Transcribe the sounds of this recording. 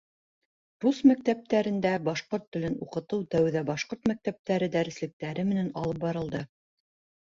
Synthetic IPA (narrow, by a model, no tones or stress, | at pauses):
ɾusmæk̚t̪æp̚t̪æɾɘ̆nd̪æbɑʃqoɾt̪ːɵ̆lɘnuqɤ̆t̪ɤwt̪æwðæbɑʃqoɾt̪mæk̚t̪æp̚t̪æɾɘd̪æɾɘ̆slɘ̆k̚t̪æɾɘmɘ̆nænɑlˠɤp̚bɑɾɤ̆lˠd̪ɤ